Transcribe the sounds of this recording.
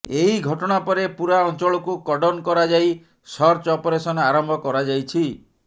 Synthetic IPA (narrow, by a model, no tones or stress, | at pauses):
eɦiɡʱɔʈɔɽ̃apɔɾepuɾaɔnt͡ʃɔɭɔkukɔɖɔnkɔɾad͡ʒaj | sɔɾt͡ʃɔpɔɾesɔnɔaɾɔmbʱɔkɔɾad͡ʒajt͡ʃʰi